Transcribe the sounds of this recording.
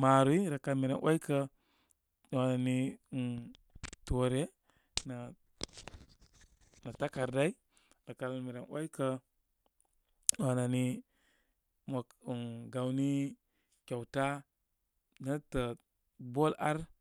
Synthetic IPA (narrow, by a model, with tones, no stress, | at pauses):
ma˨ɾu˦i˦ɾa˨ka˨lmi˨ɾḛ˨nwʔa̰˦jkə˦˨ | wa˨na˨ni˦˨ | tu˨ɾe˦ | na˨ | na˨ta˦ka˨ɾda˦i˦ | ɾa˨ka˨lmi˨ɾe˨nwa̰˦jkə˦ | a˨na˨ni˦ | mo˨ku˨nɡa˨wni˦ | kʲa˨wta˦ | nə˦tə˨ | bo˦la˦ɾ